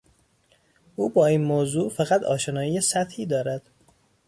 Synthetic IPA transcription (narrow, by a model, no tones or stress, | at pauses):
ʔuːbɒːiːnmoːzuːfæɣæt̪ʰɒ̰ːʃenɒːjiːesæt̪hiːd̪ɒːɾæd̪̥